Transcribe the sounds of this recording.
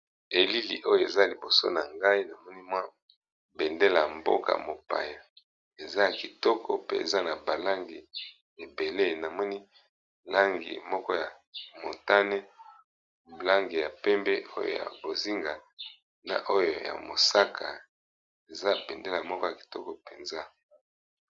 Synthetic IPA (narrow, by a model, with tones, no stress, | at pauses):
e˨li˦lḭ˨ʔo˦jo˨e˨za˦li˨bo˨so̰˦na̰˨ŋɡa˦i˦na˨mɔ˦ni˦mwa˦ | be˨nde˦la̰˨mbo̰˦ka̰˨mo˨pa̰˨ja˨ | e˨za˦ja˨ki˨tɔ˦kʰɔ̰˦pe˦ḛ˨za˦na˨ba˨la˦ŋɡi˨ | e˨be˨le˦˨na˨mɔ˦ni˦ | la˦ŋɡḭ˨mɔ˦kɔ˦ja˨ | mo˨nta˦ne˦ | la˦ŋɡi˨ja˨pɛ˦mbe˦o˦jo̰˨ja̰˨bo˨zi˦ŋɡa˨ | na̰˨ʔo˦jo˨ja̰˨mo˨sa˦kʰa˨ | e˨za˦bɛ˨nde˦la˨mɔ˦kɔ˦ja˨ki̥˨tɔ˦kɔ˦˨pe˨nza˦